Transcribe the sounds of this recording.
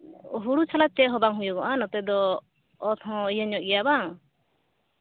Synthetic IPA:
ɦuɽut͡ʃʰalat͡ʃɛɦɔbaŋɦujɔɡɔʔanɔt̪ɛd̪ɔː | t̪ʰɔ̃ijəɲɔʔ̚ɡɛjabaŋ

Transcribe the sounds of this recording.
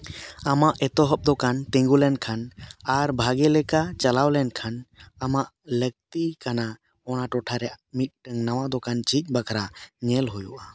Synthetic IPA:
amaʔɛt̪ɔɦɔp̚d̪ɔkant̪ɛ̃ŋɡulɛnkʰanaɾbʱaɡɛlɛkat͡ʃalawlɛnkʰanamaʔlək̚t̪ikana | ɔnaʈɔʈʰaɾɛamit̪̚ˀʈəŋnawaʔd̪ɔkant͡ʃic̚ˀbakʰɾaɲɛlɦujuʔa

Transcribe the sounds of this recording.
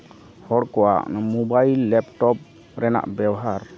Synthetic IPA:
hɔɽkɔwa̰ʔmɔbajlːɛpʈɔp̚ | ɾɛna̰ʔbɛwɦaɾ

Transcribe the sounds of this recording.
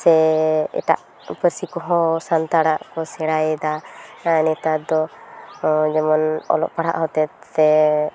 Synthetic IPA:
sɛɛ̰ʈa̰ʔ | pəɾsikɔɦɔ̃sant̪aɽaʔkɔsɛɽajɛd̪anɛt̪ad̪ɔ | d͡ʒɛmɔnɔ̰lɔ̰ʔpaɽ̤a̰ʔɦɔt̪ɛt̪ːɛ

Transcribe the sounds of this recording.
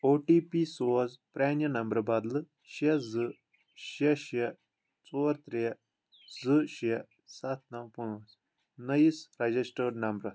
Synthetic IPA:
oːʈiːpisoːzpɾɛːnjɐnɐmbɾɐbɐd̪lɨ | ʃɐzɨ | ʃɐʃɐ | t͡soːɾt̪ɾe | zɨʃɐ | sɐt̪̚ʰnɐ̃punɐs | nɐjisɾɐd͡ʒisʈəɖnɐmbɾɐ

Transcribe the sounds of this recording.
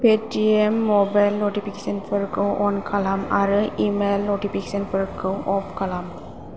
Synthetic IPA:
pʰetiemːɔbajlnotipʰikesɔnpʰɯɾkɯwʔɔnkʰalamaɾɯimelnotipʰikesɔnpʰɯɾkʰɯwʔɔpʰkalam

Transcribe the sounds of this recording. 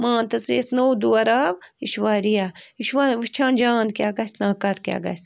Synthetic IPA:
mãːnt̪ɐt͡siːt̪nowd̪uɐɾaːbiʃʋaːɾijaːiʃʋaːnʋist͡ʃʰãːnd͡ʒaːnd̪kjaːɡɐsnaːkɐɾkja̰ːɡɐ̰s

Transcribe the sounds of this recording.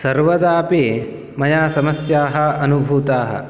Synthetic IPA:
sɐɾʋɐd̪aːpeː | mɐjaːsɐmɐsjaːɦɐ̆ɐnubʱuːt̪aːɦɐ̰

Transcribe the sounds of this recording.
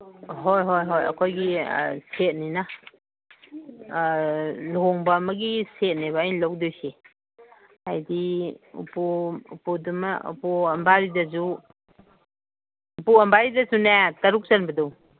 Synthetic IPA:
ɦojɦojɦojɐ̰kʰojɡḭset̚nina | lɔŋbamɐɡiset̚niβaajnlawk̚dojse | ajdiṵpuṵpudumaṵpuɐmbaɾidɐzu | puɐmbaɾidɐzunetaɾuk̚zanbɐdaw

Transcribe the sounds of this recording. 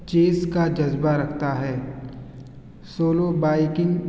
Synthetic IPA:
t͡ʃeːskad͡ʒɐzbaɾɐkʰt̪aɦɛː | soːlobaːɪkɪ̃ŋɡ

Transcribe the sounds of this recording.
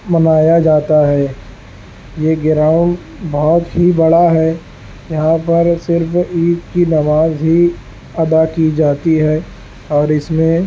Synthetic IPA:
mɐnaːjad͡ʒaːt̪aɦɛː | jeːɡɪɾaːʊ̃ɳɖ | bɔːt̪ɦibɐɽaɦɛː | jɐɦãpɐɾsɪɾfiːkkinɐʋaːzɦi | ɐd̪akid͡ʒaːt̪iɦɛː | ɔːɾɪsmẽ

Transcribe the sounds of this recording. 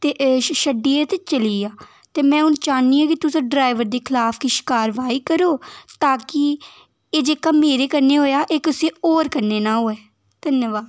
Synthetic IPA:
t̪eːʃəɖiːet̪et͡ʃəliːaː | t̪eːmɛ̃ːʊnt͡ʃaːniːãːkɪt̪ʊsãːɖɾaːɪʋəɾd̪eːkʰɪlaːpʰkiʃɪ̥kaːɾʋaːiːkəɾoːt̪aːkɪ | eːd͡ʒeːkaːmeːɾeːkəɾneːɦoːjaːʔeːkʊsẽːoːɾkəɾneːnaːɦoːɛː | d̪̥ənjəʋaːd̪

